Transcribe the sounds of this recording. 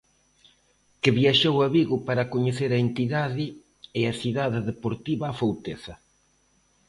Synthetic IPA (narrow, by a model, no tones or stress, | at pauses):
kɪβiaʃowaβiɣʊpaɾakoɲeθeɾɐent̪iðaðɪ | ɪaθiðaðɪðepoɾt̪iβɐːfowt̪eθɐ